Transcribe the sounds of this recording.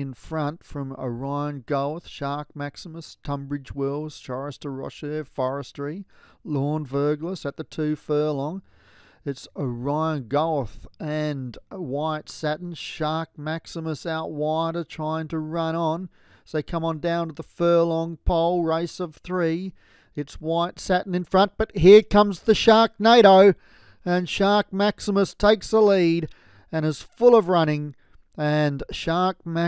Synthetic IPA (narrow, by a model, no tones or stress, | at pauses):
ɨ̃nfɹʌ̃ntfɹʌ̃mə̰ɹãɪə̃nɡoʊθʃɑɹk̚mæksəməstʰʌ̃mbɹɨd͡ʒwɪlˠz̥t͡ʃʰɑɹɨstəɹʌ̰ʃəfɔɹɨstɹ̥ilɔɹnvɜ˞ɡləsɨt̪̚ðɨtʰʉfɜ˞lɔ̃ŋ | ɨtsəɹaɪə̃nɡoʊθɨ̃nwaɪtsæʔn̩̥ʃɑɹk̚mæksəməsaʊt̚waɪɾə˞tʰɹ̥aɪɪ̃ŋtʰɨɹʌ̃ɾ̃ə̃n | zðeɪkʰʌ̃mə̃ndãʊ̃ntəðəfɜ˞lɔ̃ŋpʰoʊlˠɹeɪsʌv̥θɹi | ɨtswaɪtsæʔn̩ɨ̃nfɹʌ̃n̚b̥ʌt̚ɦiɹkʰʌ̃mzðɨʃɑɹk̚neɪɾoʊ | ɨ̃nʃɑɹk̚mæksəməstʰeɪksəliɾ | ɨ̃ñɨz̥fʊlˠʌvɹʌɾ̃ɪ̃ŋ | ɨ̃nʃɑɹk̚mæ